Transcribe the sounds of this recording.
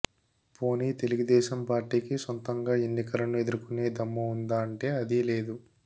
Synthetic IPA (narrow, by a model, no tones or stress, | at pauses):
po̞ːniːt̪e̞luɡud̪ɛːʃɐmpaːɾʈiːkisont̪ɐŋɡaːe̞nːikɐlɐnue̞d̪uɾukune̞ːd̪ɐmːɐund̪aːɐɳʈe̞ːɐd̪ile̞ːd̪u